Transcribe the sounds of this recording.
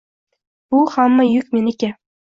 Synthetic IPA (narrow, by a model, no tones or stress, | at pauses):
b̥ʊhamːajʊkʲmenɪkʲa